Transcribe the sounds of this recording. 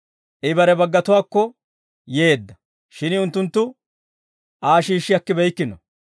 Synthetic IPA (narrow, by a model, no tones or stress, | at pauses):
ʔɪbɐɾɛbɐɡːɐt̪ʊwaːkːɔ | jeːd̪ːɐ | ʃɪnɪʊnt̪ːʊnt̪ːʊ | ʔaːʃiːʃːɪɐkːɪbɛjkːɪnɔ